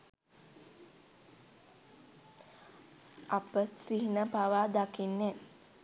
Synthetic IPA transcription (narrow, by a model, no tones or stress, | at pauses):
ʔapəsiɦnəpaʋad̪akinːɛ